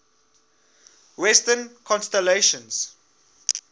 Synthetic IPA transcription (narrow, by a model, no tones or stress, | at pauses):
wɛstənkʰɔ̃nstɛleʃə̃ns